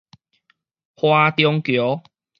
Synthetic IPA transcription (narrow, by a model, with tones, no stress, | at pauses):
hwa˦t̪jɔ˧ŋkjo˨˦